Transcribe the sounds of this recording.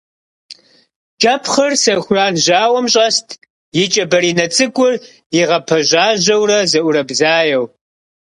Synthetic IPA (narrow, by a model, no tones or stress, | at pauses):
t͡ʃʼɐpʰχɐrsɐxʷʊraːnʑaːwɐmɕʼɐstʰ | jɪt͡ʃʼɐbɐɾiːnɐt͡sʼɨɡʷʼʊr | iʁɐpʰɐʒaːʑɐwrɐzɐʔʷʊɾɐbzaːjɐw